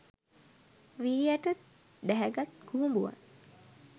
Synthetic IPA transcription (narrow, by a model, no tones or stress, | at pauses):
ʋiːjæʈə | d̪æɦæɡat̪kuɦumbuʋa̰n